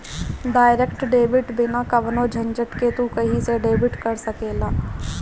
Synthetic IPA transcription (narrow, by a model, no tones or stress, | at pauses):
ɖaːɪɾekʈɖeːʋɪʈbɪnakɐʋnod͡ʒʱɐ̃nd͡ʒəʈket̪ukɐɦiseɖeːbɪʈkɐɾsɐkeːlaː